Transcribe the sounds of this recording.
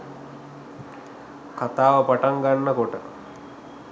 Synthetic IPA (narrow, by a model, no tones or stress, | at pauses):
kat̪aːʋəpaʈaŋɡanːəkoʈə